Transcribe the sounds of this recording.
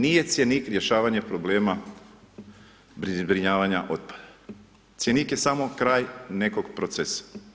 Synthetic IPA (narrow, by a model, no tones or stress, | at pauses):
nije̞t̪sʲjeniːkɾje̞ʃaːʋaɲepɾoble̞ːma | bbɾiɲaːʋaɲaʔo̞t̪̚pḁd̪̥a | t̪sjeniːkje̞samo̞kɾaːjne̞ko̞ɡpɾot̪sesḁ